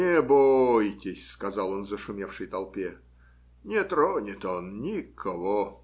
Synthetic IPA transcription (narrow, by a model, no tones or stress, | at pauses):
nʲɪbojtʲɪsʲskɐzɑlˠonzəʂʊmʲefʂɨjt̪ɐlˠpʲe | nʲɪt̪ɾonʲɪt̪onnʲikʰɐvo